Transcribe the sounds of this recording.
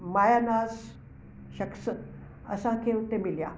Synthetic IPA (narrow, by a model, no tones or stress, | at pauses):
majanas | ɕəksə | ə̰sãkewt̪emilja̰